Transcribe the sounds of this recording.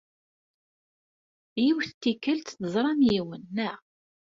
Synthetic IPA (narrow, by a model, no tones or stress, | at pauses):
jiwθt̪ːikːəlt̪θəzˤɾˤɑmjiwənːəʁ